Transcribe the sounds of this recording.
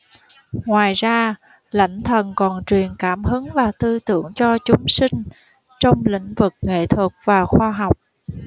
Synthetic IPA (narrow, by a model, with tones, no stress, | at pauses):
ŋwaː˨˩jzaː˧ | la̰˧˥jŋ̟t̪ʰə˨˩nkɔ˨˩nt͡ɕwi˨˩ənkaː˧˩mhɨ˨˦nlaː˨˩t̪ɨ˧t̪ɨ̰˧˩əŋt͡ɕɔ˧t͡ɕʊ˨˦ŋ͡msï˧ŋ̟ | t͡ɕɔ˧wŋ͡mlḭ˧˥ŋ̟vɨ˨˩k̚ŋḛ˧˨t̪ʰwɨ˨˩k̚vaː˨˩xwaː˧ɦɔ˨˩wk͡p̚